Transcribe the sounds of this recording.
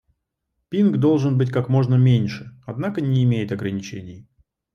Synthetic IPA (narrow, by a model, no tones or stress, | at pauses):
pʲinɡd̪o̞lˠʐɨnbɨtʲkakmo̞ʐnəmʲenʲʂɨɐd̪nakənʲɪːmʲejɪt̪ɐɡɾənʲɪt͡ɕenʲɪj